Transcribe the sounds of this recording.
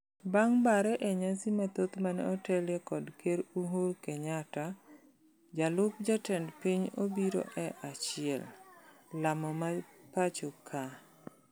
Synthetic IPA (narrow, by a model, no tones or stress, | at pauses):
baŋbaɾɛʔeɲasimat̪ot̪manɛ̰ɔtɛljɛkɔdkeɾuɦoɾkeɲata | d͡ʒalʊk̚d͡ʒatɛndpiɲobiɾo̰ʔɛʔat͡ʃɪɛ̰l | lamɔmapat͡ʃokʰa